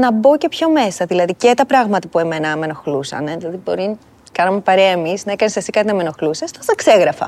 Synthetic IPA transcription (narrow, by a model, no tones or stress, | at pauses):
nɐbo̞ce̞pço̞me̞sɐðilɐðicet̪ɐpɾɐɣmɐt̪ɐpue̞menɐme̞no̞xlusɐ̰neðilɐðibo̞ɾi | kɐnɐmepɐɾeɐemiznɐekɐnisesi̥kɐt̪inɐmeno̞xlusɐst̪osɐkse̞ɣɾɐfɐ̰